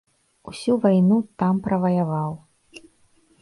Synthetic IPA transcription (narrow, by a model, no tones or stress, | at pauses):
usʲuvajnut̪ampɾɐvɐjavaw